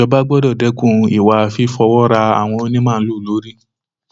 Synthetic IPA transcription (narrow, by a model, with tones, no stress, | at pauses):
ɔ˧ba˦ɡ͡bɔ˦dɔ˦˨dɛ˨˦kũ˦˨˧i˨wa˧fi˧˦fɔ˧wɔ˦ɾa˧a̰˨w̃ɔ̃˧o˦nĩ˦mãː˦˨˧lu˦˨lo˨˦ɾi˦